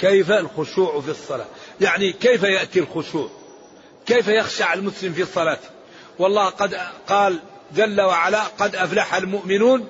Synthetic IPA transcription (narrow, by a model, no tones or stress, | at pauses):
kæjfælxʊʃuːʕfisˤːɑlɑ̰jaʕnikəjfæjəʔt̪ilxʊʃuːʕ | kəjfæjəxʃaʕallmʊsləmfisˤɑlɑt̪ | wɑlˤːɑhqɑd̪qɑːl | d͡ʒælːawaʕalaqɑd̪ʔæflaħalmʊʔmɪnuːn